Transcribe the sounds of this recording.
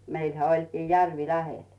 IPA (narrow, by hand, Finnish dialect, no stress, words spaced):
meilhæ olʲkiː jærʋi læhel